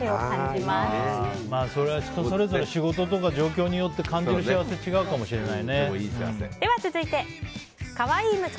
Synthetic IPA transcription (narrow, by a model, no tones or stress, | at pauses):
eokãɲimamaːso̞ɾe̞βat͡ɕo̥t̪ːosoɾe̞zo̞ɾeɕiɡo̞t̪o̞t̪o̞kaʑo̞ːkʲo̞ːɲ̟ijo̞t̪ːe̞kãɲ̟d͡ʑiɾɯ̟ɕiaβaset͡ɕiɡaɯ̟kamo̞ɕiɾe̞nainḛ | d̪̥e̞βat͡sɨzɨit̪e̞ | kaβaiːmɯ̟